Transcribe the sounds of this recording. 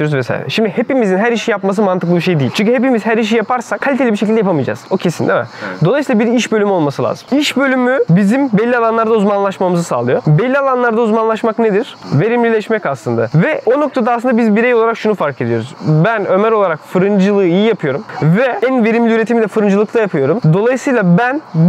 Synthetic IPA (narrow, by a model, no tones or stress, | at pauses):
oɾuzvɛsa̰ːj̰ɾɛ̰ʃimd̪ihepimizinɦæɾiʃijapmas̬ɯmant̪ɯklˠɯbiɾʃejd̪ijilʲt͡ʃʰyɲcyhepimizhæɾiʃ̬ijapʰaɾsakʰalʲit̪elʲibiɾʃ̬ec̬ʰilʲd̪ɛjapamɯjd͡ʒa̰ːzo̞cʰe̞sind̪ɛmɛ̰d̪o̞lˠajsiːlˠabiɾiʃbø̞lʲymyo̞lˠmasɯlʲa̰ːz̥ɯ̥miʃbølʲymybizimbɛlʲːialˠanlˠaɾd̪auzmanlˠaʃmamɯzɯsa̰ːlˠɯjo̞bɛlʲːialˠanlˠaɾd̪auzmanlˠaʃmakned̪iɾ̥ve̞ɾimlʲilʲɛʃmɛcaslˠɯnd̪a̰vɛʔo̞no̞k̚t̪ʰad̪asɯnd̪abizbiɾejolˠaɾakʃunufaɾkʰe̞d̪ijo̞ɾuz̥bænø̞mæɾo̞lˠaɾakfɯɾɯnd͡ʒɯlˠɯːijijapʰɯjo̞ɾumvɛænve̞ɾimlʲiyɾet̪ʰimid̪ɛfɯɾɯnd͡ʒɯlˠɯk̚t̪ʰajapʰɯjo̞ɾumd̪o̞lˠajɯsɯjlˠabæn